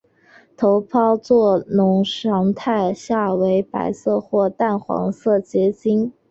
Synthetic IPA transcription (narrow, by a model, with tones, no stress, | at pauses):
t̪ʰo˧˥ʊpʰɑ˥ʊt͡swɔ˥˩nʊ˧˥ŋʂɑ˧˥ŋt̪ʰa˥˧ɪɕja˥˩we˧˥ɪpa̰˧˥ɪsɤ˥˧xwɔ˥˧t̪a˥˩nxwɑ̰˧˥ŋsɤ˥˩t͡ɕjɛ˧˥t͡ɕi˥ŋ